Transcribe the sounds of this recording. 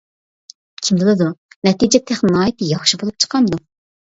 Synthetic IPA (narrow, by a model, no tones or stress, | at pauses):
kʲʰimd̪ɨlˠɨd̪unɛt̪id͡ʒɛt̪ʰːæχnɨnɑːjit̪ʰɨjɑχʃibolˠup̚t͡ʃʰə̥qʰɑmd̪u